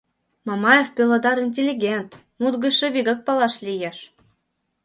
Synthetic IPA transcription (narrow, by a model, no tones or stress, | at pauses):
mɑmɑjefpʲølɤ̆d̪ɑɾinʲtʲelʲiɡʲent̪ | mud̪ɡɤ̆ʃɤ̆βʲiɡɤ̆k̚pɑlˠɑʃlʲijeʃ